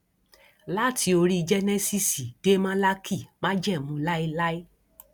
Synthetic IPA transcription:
la˦˨tʰi˧˦o˧ɾi˦˧d͡ʒɛ˦nɛ̃˦si˦˨si˨de˦mã˦la˦kʰi˦˨mã˦d͡ʒɛ˦˨mũ˨˦la˦i˧la˦i˦

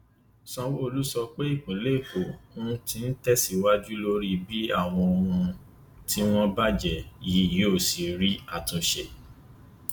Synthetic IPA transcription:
sɔ̃˧wo˦o˧lu˦sɔ˧k͡pe˦i˦˨k͡põ˨˦le˦˨ko˨õ˦˧˦tĩ˧n̩˦tɛ˦si˦wa˦d͡ʒu˦lo˧ɾi˦bi˦a˦˨w̃ɔ̃˧õ˧ũũ˧ | ti˦w̃ɔ̃˦ba˦d͡ʒɛ˨ji˨˦˨ji˨˦o˦˨si˨ɾi˦a˦˨tũ˧ʃe˧

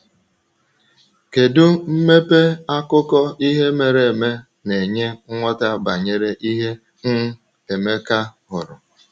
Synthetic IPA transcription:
ke˨dʊ˦m̩˦me˦pe˦a˦kʊ˦kɔ˦i˦ɦe˦me˨ɾe˨e˨me˦ | ne˨ɲe˦ŋʷɔ˦ta˦ba˨ɲe˦ɾe˦ʔi˦ɦe˦ | ŋ̩˦ | e˨me˦ka˦ɦʊ˨ɾʊ˨

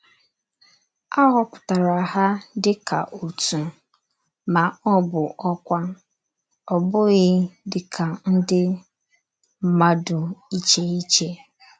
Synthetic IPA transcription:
a˦ɣɔ˦kʷʊ̥˨ta˨ɾa˨ɦa˦dɪ˦kʰa̰˨ʔu˨tu˨ | ma˨ɔ˦bʊ˨ʔɔ˦kʷa˦ | ɔ˨bʊ˦ɣɪ˦dɪ˦kʰa˨n̩˦dɪ˦ | m̩˦ma˦dʊ˨i˦t͡ʃe˦i˦t͡ʃe˦

